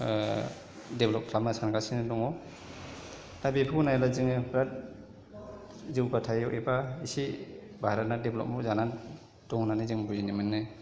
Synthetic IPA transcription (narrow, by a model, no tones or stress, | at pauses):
deblɔp̚kʰlap̚masankasinɯdɔŋɔ | tabipʰɯnajlaziŋɯbɾat̚ | ziwɡatʰajɔʔebaisi | bʱaɾat̚nadeblɔ̰p̚muzanan | dɔŋnanɯzɯŋbujinimanːɯ